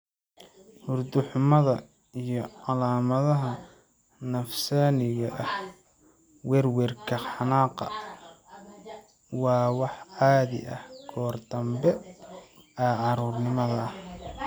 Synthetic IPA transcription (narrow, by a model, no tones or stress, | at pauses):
hʊrd̪ʊħʊmɐðɐ | ijɞʕɑlaːmɐðɐɦɐ | nɐfsaːnɪɣɐʔɐh | wɛrwɛrkʰɐħɑnaːqɑ̰ | wɑːwɑħʕɑːðɪ̰ʔɐ̰hɡʰɔːrd̪ɐmbɛ | ɛʕɑɾuːrnɪmɐðɐɐh